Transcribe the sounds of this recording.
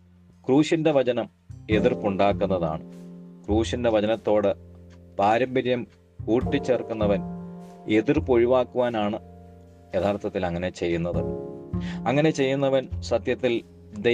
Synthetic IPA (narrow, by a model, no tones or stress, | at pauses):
kruːɕinde̞ʋɐd͡ʑɐnɐm | e̞ðirpuɳɖaːkːunːɐða̰ːɳɨkruːɕinde̞ʋɐd͡ʑɐnɐt̪ːo̞ːɽɨpaːɾɐmbɐɾjɐm | kuːʈːit͡ɕːeːrkːunːɐʋɐn | e̞ðirpo̞ɻiʋaːkːuʋaːnaːɳɨ | jet̪ʰaːrt̪ʰːɐt̪ːilɐŋːɐne̞t͡ɕe̞jːunːɐðɨ̰ | ɐŋːɐne̞t͡ɕe̞jːunːɐʋɐnsɐt̪jɐt̪ːil | d̪e